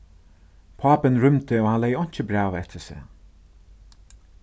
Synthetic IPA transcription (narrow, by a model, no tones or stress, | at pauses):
pʰaːpɪnɹʏmt̪əɔhanlɛjɔɲ̥t͡ʃəbɾaːvɛt̪ʰəsɛ̰ː